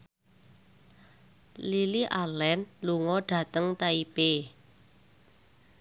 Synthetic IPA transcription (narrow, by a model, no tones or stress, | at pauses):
liliʔalɛnluŋɔɖ̥ä̤t̪əŋt̪aipe